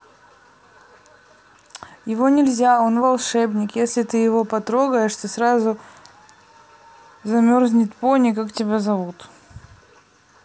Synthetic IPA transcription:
jɪvo̞nʲɪlʲzʲao̞nvɐlˠʂɛbnʲɪkjesʲlʲɪt̪ɨjɪvo̞pɐt̪ɾo̞ɡəjɪʂt̪ɨsɾazʊ | zɐmʲorzʲnʲɪt̪ponʲɪkaktʲɪbʲazɐvut̪

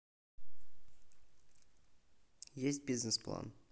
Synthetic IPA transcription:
jesʲt̚ʲbʲiznɨsplˠa̰n

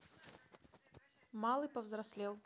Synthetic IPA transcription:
malˠɨpəvzɾɐsʲlʲelˠ

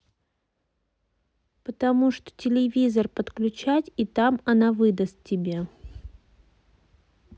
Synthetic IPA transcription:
pət̪ɐmuʂt̪o̥tʲɪlʲɪvʲizərpət̪klʲʉt͡ɕætʲit̪amɐnavɨd̪əst̪tʲːɪbʲe

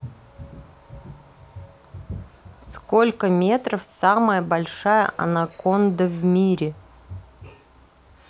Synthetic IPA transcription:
sko̞lʲkəmʲe̞t̪ɾəfsaməjəbɐlʲʂajə̰ʔɐ̰nako̞nd̪əvmʲiɾʲɪ

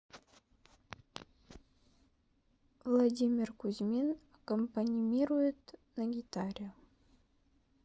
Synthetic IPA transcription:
vlˠadʲimʲɪrkuzʲmʲen | kompanʲimʲirujɪt̪naɡʲit̪aɾʲə

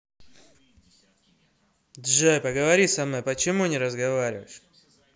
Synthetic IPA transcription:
d̪ʐɛpəɡəvɐɾʲisɐmɨpət͡ɕɪmunʲɪɾəzɡɐvaɾʲɪvə̰ʂ

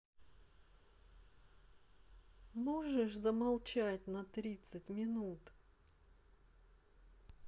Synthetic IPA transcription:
moʐɨʂzəmalˠt͡ɕatʲnɐt̪ɾʲit̪sɨtʲmʲɪnut̪

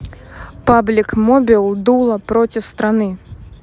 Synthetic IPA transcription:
pablʲikmɔbʲilˠd̪ulˠɐpɾɔt͡sʲiwst̪ɾanɨ

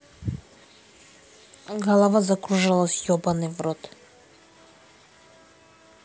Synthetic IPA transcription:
ɡalˠavazakɾuʒalˠasjɔbanɛvɾɔt̪

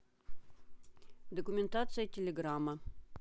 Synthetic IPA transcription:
d̪okumʲent̪at̪sɨjɐtʲelʲeɡramːə

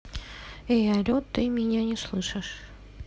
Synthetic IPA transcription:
ejɐlʲot̪ːɨmʲɪnʲanʲɪslˠɨʂɨʂ

